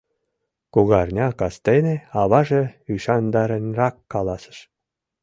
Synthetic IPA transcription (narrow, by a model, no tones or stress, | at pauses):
kuɣɑrnʲɑkɑst̪eneɑβɑʒeyʃɑnd̪ɑɾenʲrɑkːɑlˠɑsə̥̆ʃ